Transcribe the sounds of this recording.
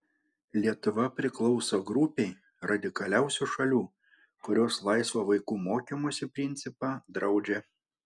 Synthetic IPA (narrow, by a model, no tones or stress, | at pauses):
lʲiɛt̪ʊʋɐpʲɾʲɪklˠɒʊsoːɡɾʊpʲɛɪ | ɾɐd̪ʲɪkɐlʲæˑʊsʲuːʃɐlʲuː | kʊɾʲoːslˠɐɪsʋoʋɐɪkuːmoːkʲimoːsʲɪpʲɾʲɪnʲt̪sʲɪpɑːd̪ɾɐʊd͡ʒʲɛ